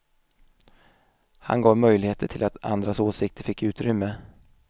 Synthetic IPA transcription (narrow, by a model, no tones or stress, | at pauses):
ha̰nɡɑːvmœjlɪheːt̪ʰəʈʰɪlʔat̪a̰nd̪ɾasoːsɪk̚t̪ʰəɾfɪkːʉ̟ːt̪ɾʏmːə